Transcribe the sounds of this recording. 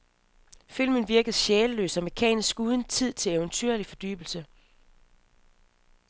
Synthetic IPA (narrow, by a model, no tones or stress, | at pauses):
fil̰mən̩ʋiɐɡ̥əð̩ˠɕeːləlø̰ːsɒmekʰɛ̰ːnisɡ̥uːðˠənt͡sʰið̞̰ˠt͡sʰe̝leʊnt͡sʰyɐ̰lifɒ̽d̥y̰ːb̥l̩sə